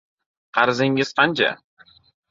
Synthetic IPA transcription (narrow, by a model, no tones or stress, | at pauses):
qʰɑɾzɪŋɪz̥qʰɑnt͡ʃʰa̰